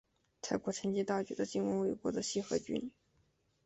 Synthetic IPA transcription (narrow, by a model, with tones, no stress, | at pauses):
t̪ʰa˥˩ɪkwɔ˧˥ʈ͡ʂʰə˧˥ŋt͡ɕi˥t̪a˥˩t͡ɕɛ̰˧˥d̪ə˧t͡ɕi˥˩nwə˧˥nwe˥˩ɪkwɔ̰˧˥d̪ə˨ɕi˥˩xɤ˧˥t͡ɕy̰˧˥n